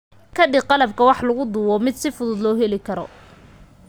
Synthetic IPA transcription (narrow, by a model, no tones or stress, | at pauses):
kʰɐɖɪqɑlɐb̚kʰɐwɑħlɐɣʊd̪uːwɔmɪd̪sɪfʊðʊd̪lɔːɦɛlɪkʰɐɾɔ̰